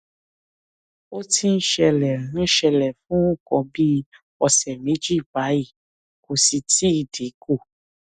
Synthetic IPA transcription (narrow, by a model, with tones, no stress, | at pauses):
o˦ti˦n̩˦ʃɛ˧lɛ˨ɾũ˦ʃɛ˧lɛ˨fũ˦u˦kɔ̃˧bi˦ | ɔ˧sɛ˨mĩ˨˦d͡ʒi˦˨ba˨˦i˦˨ | ko˨si˧ti˦˨de˨˦ko˦˨